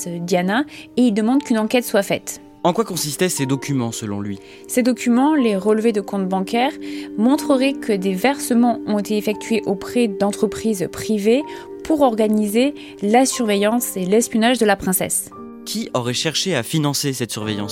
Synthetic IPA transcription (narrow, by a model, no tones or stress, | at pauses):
sd̪janaeild̪əmɑ̃d̪kʲynɑ̃kɛt̪swafɛ̰t̪ | ɑ̃kwakɔ̃sist̪ɛsed̪ɔkʲymɑ̃səlɔ̰̃lɥi | sed̪ɔkʲymɑ̃leʁəlved̪əkɔ̃t̪bɑ̃kɛʁmɔ̃t̪χəʁɛkʰəd̪evɛʁsəmɑ̃ɔ̃et̪eːfɛk̚t̪ɥeʔopχɛd̪ɑ̃t̪χəpχizpχive | pʰuʁɔʁɡanize | lasyʁvejɑ̃selɛspjɔnaʒd̪əlapχɛ̃sɛ̰s | kʲʰiɔʁɛʃɛʁʃeafinɑ̃sesɛt̪syʁvejɑ̰̃s